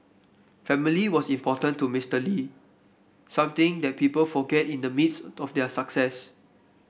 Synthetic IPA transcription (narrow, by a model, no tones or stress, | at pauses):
fɛ̃miliwɔsĩmpʰɔtə̃ntːumistəli | sãmt̪ɪ̃ŋdɛt̚pipəlfɔɡɛtĩndəmitsɔfdɛsaksɛs